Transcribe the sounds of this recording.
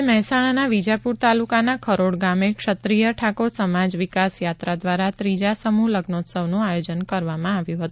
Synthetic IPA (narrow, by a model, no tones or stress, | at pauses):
mɛɦɛsaɽ̃anaʋid͡ʒapuɾt̪alukanakʰəɾoɽɡamekʃət̪ɾijəʈʰakoɽsəmad͡ʒʋɪkasjat̪ɾad̪ʋaɾat̪ɾid͡ʒasəmuləɡnot̪səʋnũajod͡ʒənkəɾʋamãaʋjũɦət̪ũ